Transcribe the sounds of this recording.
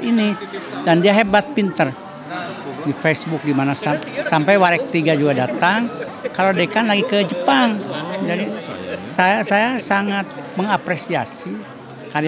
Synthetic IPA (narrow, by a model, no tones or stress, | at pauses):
inidandiaɦɛbat̪̚pint̪ər | difesbuk̚dimanasasampajwaɾɛk̚t̪iɡad͡ʒuɡadat̪aŋ | kalodɛkanlaɡikəd͡ʒəpaŋd͡ʒadisajasajasaŋat̪̚məŋapɾesia̰si | kai